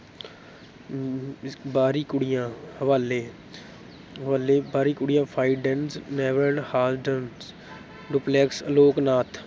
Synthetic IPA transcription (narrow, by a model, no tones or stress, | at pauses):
baːɾiːkʊɽɪjãːhəʋaːleː | ʋaːleːbaːɾiːkʊɽɪjãːpʰaːiɖə̃nsnɛːʋɾəɳhaːzɖən | ɖʊplɛːksloːknaːt̪ʰ